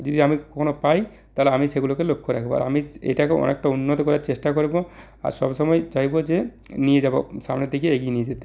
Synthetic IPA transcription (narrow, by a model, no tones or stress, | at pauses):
d͡ʑod̪iamikɔkʰonopaj | t̪aɦoleamiseɡulokelokʰːoɾakʰeboa̰ɾa̰miḛjʈakeɔ̰nḛk̚ʈaunːot̪ɔkɔɾaɾt͡ɕesʈakoɾibo | a̰ɾʃɔbʃɔmɔed͡ʑajbod͡ʑe | nijed͡ʑabo̰samned̪ekʰieeɡienijed͡ʑet̪e̥